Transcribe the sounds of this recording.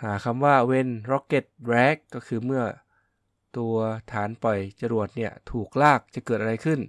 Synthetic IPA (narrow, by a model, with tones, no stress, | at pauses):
haː˩˦kʰa˧mwaː˥˩we˧nɾɔ˧˥kːe˨˩t̪̚ɾɛː˦˥kːɔː˥˩kʰɯː˧mɯ˥˩ɐ | t̪u˧ɐt̪ʰaː˩˦npɔ˨˩jt͡ɕa˧ɾu˨˩ət̪̚ni˥˩ɐt̪ʰuː˨˩k̚laː˥˩k̚t͡ɕa˨˩kɤː˨˩t̪̚ʔa˧a˧jkʰɯ˥˩n